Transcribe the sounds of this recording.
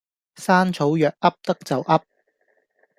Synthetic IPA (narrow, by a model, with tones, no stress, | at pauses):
saː˥nt͡sʰo˨˥wjœː˨k̚ʔɐ˥p̚t̪ɐ˥k̚t͡sɐ˨wʔɐ˥p̚